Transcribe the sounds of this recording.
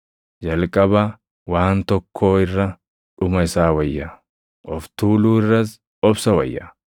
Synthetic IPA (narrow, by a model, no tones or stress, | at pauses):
d͡ʒɐlkʼɐbɐ | waːnt̪ɔkʰːo̞ːɪrːɐ | ᶑʊmɐɪsaːwɐjːɐ | ʔɔft̪uːluːɪrːɐs | ɔbsɐwɐ̰jːɐ̰